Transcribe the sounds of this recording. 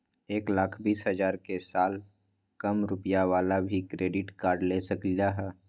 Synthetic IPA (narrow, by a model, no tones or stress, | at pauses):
eːklaːkʰbiːsɦəzaːɾkesaːl | kəmɾʊpjaʋaːlabʱikɾeːɖɪʈkaːɾɖlesəklijaɦɛː